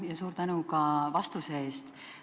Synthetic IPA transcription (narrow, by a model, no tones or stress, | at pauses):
jɑsuːɾt̪ænukɑvɑst̪usee̞ːst̪